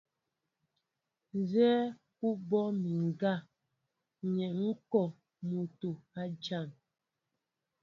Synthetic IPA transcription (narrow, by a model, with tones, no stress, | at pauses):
n˨zɛː˦ | ku˦bɔ˦mi˨ŋ˨ɡa˦˨ | ɲɛ˨ŋ̩˦kɔ˨ | mu˨to˨a˦d͡ʒa˦˨n